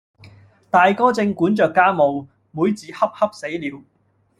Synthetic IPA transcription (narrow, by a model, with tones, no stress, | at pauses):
t̪aː˨jkɔː˥t͡sɪ˧ŋkuː˨˥nt͡ʃœː˨kːaː˥mo˨w | muː˨˧jt͡siː˨˥hɐ˥p̚hɐ˥p̚se˨˥jliː˨˧w